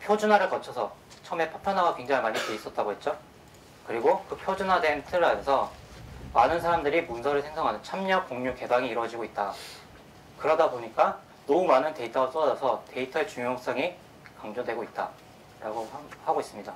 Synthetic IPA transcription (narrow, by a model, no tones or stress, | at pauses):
pʰjod͡ʑunɦaɾɯɭkʌt͡ɕʰʌsʰʌ | t͡ɕʰʌme̞pʰḁpʰjʌnɦaɡakwe̞ŋd͡ʑaŋimaɲiteis͈ʌt̚t͈aɡoɦet̚t͡ɕ͈o | kɯɾiɡokɯpʰjod͡ʑunɦadwe̞ntʰɯɾamʌsʰʌ | manɯnsʰaɾamdɯɾimunsʰʌɾɯɭsʰeŋsʰʌŋɦanɯnt͡ɕʰamɲʌk͈oŋɲuke̞baŋiːɾwʌd͡ʑiɡoit̚t͈a | kɯɾʌdaboɲik͈a | nʌumanɯnte̞itʰaɡos͈ʌdad͡ʑʌsʰʌte̞itʰʌɭt͡ɕuŋjoŋs͈aŋi | kaŋd͡ʑodwe̞ɡoit̚t͈a | ɾaɡoahaɡois͈ɯmɲida